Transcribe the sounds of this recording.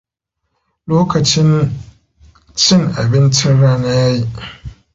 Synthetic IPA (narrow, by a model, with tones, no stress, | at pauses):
loː˦kɐ˨t͡ʃɪ˦n | t͡ʃɪ˦ŋʔa̰˨bɪ˦nt͡ʃɪ˦nɽaː˦na˦jaː˦ji˦ʔ